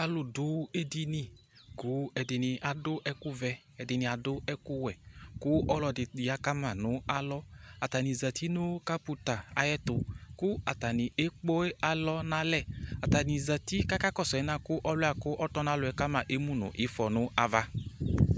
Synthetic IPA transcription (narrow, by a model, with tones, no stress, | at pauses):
a˨lʊ˨dʊ˨˦e˦di˧ni˧ | ɡu˨˦ɛ˨dɪ˨nɪ˨ʔa˨dʊ˦ʔɛ˦kʊ˦vɛ˧ | ɛ˨dɪ˨nɪ˨a˨dʊ˦ɛ˦kʊ˦wɛ˨kʊ˦ɔ˦lɔ˧dɪ˨ɪ˨a˧ka˦ma˨nʊ˨˦a˧lɔ˧a˨ta˨ni˨za˨tʰi˦nʊ˦ka˦pu˨˧ta˨a̰˨jɛ˦tʊ˨kʊ˦a˨ta˨ni˨e˦k͡po˦e˦a˧lɔ˧na˧lɛ˦˨a˨ta˨ni˨za˨ti˦ka˦ka˦kɔ˦˨sɔ˨ɛ˨˦na˧˨kʊ˦ʔɔ˦lʊ˦a˨kʊ˦ʔɔ˦tɔ˧˦na˦lʊ˧˨ɛ˧˦ka˦ma˨ʔe˦mu˦nʊ̰˨ʔɪ˨˦fɔ˨nʊ˦a˧va˧